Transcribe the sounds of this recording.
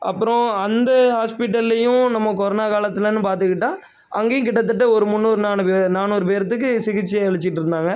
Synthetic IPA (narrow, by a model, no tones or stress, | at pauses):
ɐ̰pːɯɾõɐnd̪ɐhaːspɪʈːɐllɐjʊ̃nɐmːɐkɔɾɐnaːkaːlɐt̪ːɪlɐnːɯpaːɾt̪̬ɯkːɪʈːãː | ʔɐŋɡeːjʊ̃kɪʈːɐt̪ːɯʈ̬ːɯɔɾɯmʊnːoːɾɯnaːnɯpeːnaːnuːɾɯpeːɾɐt̪ːɯk̬ːɯsɪɣɪt͡ʃːɯɛɻɯt͡ʃːɪʈːɯɾɯnd̪aːŋɡɐ